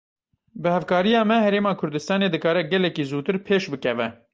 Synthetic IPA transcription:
bɨhɛfkɑːɾijɑːmɛhɛɾeːmɑːkʰʊɾd̪ɨst̪ɑːneːd̪ɨkɑːɾɛɡɛlɛkiːzuːt̪ɨɾpʰeːʃbɨkɛvɛ

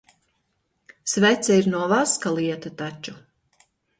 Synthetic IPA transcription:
svɛt̪sʲɛiɾnuɔvaskalˠiɛt̪at̪at͡ʃu

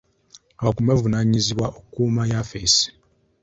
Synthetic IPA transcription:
aβakumevunaɲiziβwaʔokːuːmajafesi̥

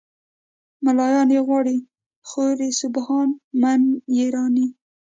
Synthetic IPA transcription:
malɑjɑnjeɣwɑɽi | xoɾisʊbhɑnmanjeɾɑni

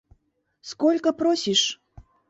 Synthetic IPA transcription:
skɔlʲkəpɾɔsʲiʂ

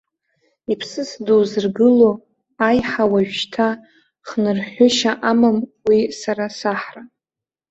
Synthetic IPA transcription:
ipʰsɨsdozɨrɡɨlo | ajħawaʒᶣtʰa | χnɨrħʷʊʃaʔamamwisaɾasaħra

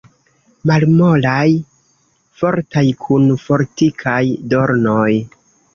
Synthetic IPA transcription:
malmo̞laj | fo̞ɾtajkʰunfo̞ɾtikʰajdo̞ɾnoj

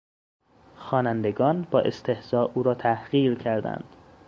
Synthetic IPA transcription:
xɒːnænd̪eɡɒːnbɒːʔest̪ʰe̞hz̥ɒːʔuːɾɒːt̪ʰæhɢ̥iːʁcʰæɾd̪æ̰nd̪̥

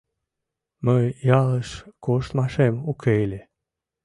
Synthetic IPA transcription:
məjjɑləʃkoʃt̪mɑʃemukʰejlʲe

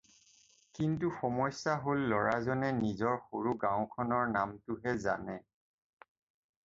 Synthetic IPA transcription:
kintuxɔmɔjsaɦolːɔɹazɔnɛnizɔɹxoɹuɡãʊ̃kʰɔnɔɹnamtʊɦɛza̰nɛ

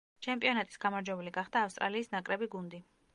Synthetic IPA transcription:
t͡ʃʰɛmpʼiɔnat̪ʼi̥sɡ̥amaɾd͡ʒwɛbuliɡaχd̪aːfst̪ʼɾa̰liːsnakʼɾɛbiɡund̪i

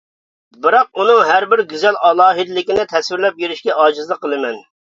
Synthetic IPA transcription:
bɨɾɑq̚unɨŋɦæɾbɪɾɡʲyzɛlɑlˠɑːɦɨd̪ɪlɪkʲinɪt̪ʰɛswɪɾlɛp̚jeɾɪʃkʲɛɑːd͡ʒɨzlˠəqʰːəlˠɨmɛn

